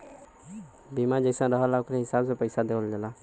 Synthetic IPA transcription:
bimãd͡ʒəɪsãɾəɦəlaʊkɾeɦɪsaːbsẽpəɪsad̪eʋəld͡ʒelaː

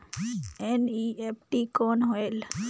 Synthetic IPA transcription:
eniepʰʈikoːnɦoel

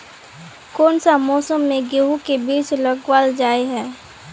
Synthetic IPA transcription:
koːnsamɔːsəmːẽɡeɦukebiːt͡ʃləɡwaːld͡ʒaːeɦɛː

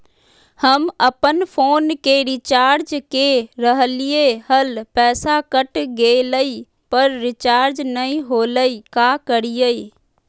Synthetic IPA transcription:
həməpənpʰoːnkeɾɪt͡ʃaːɾd͡ʒkeɾəɦəlieɦəlpɛːsakəʈɡeləi | pəɾɾɪt͡ʃaːɾd͡ʒnəĩɦoːləikaːkəɽijəi

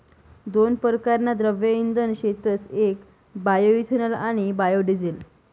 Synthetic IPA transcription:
d̪onpəɾkaɾnad̪ɾəʋjəind̪ənɕet̪ət͡sek | bajoit̪ʰənəlaɽ̃ibajoɖid͡zel

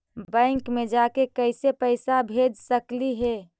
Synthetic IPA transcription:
bɛ̃ɪŋkmed͡ʒakekəɪsepəɪsabʱed͡ʒsəkliɦɛ

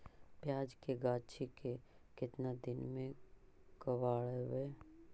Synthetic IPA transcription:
pjaːd͡ʒkeɡaːt͡ʃʰikekɪt̪nad̪ɪnmẽ | kəwaːɭeweː

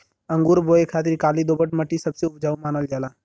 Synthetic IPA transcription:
ə̃ŋɡuːɾboːekʰaːt̪iɾkaːlid̪oːbəʈməʈisəbseʊpd͡ʒaːumaːnəld͡ʒaːlaː

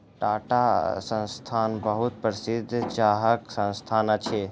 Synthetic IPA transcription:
ʈaːʈasə̃nst̪ʰaːnbəɦut̪̚pɾɪsɪd̪ʱːt͡ʃaːɦəksə̃nst̪ʰaːnət͡ʃʰe

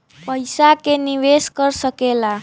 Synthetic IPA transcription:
pəjsakeniʋeskəɾsəkela

